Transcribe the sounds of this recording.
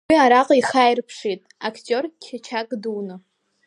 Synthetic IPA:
wiaɾaqʼiχajrpʰʂitʼakʰtʼo̞rkʲʰat͡ʃʰakʼdunɨ

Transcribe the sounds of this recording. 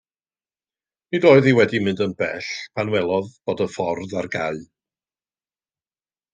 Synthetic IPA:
nidoːɨðiwɛdimɨndənb̥ɛɬpʰanwɛlˠɔðb̥oːdəfɔrðarɡal

